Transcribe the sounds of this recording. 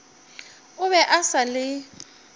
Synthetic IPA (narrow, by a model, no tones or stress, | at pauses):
ʊβɛʔasalɪ